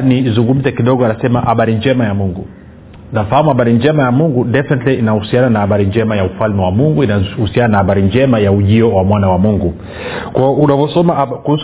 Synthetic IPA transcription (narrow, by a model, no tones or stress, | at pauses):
niːzuŋɡum̩zɛkiɗɔɡɔanasɛmahaɓaɾind͡ʒɛmajamuŋɡṵ | nafahamuhaɓaɾind͡ʒɛmajamuŋɡudɛfɛnɛtliːnahusiananahaɓaɾind͡ʒɛmajaufalmɛwamuŋɡuinahusiananahaɓaɾind͡ʒɛmajauʄiɔwamwanawamuŋɡu | kwaɔunavɔsɔmakuhus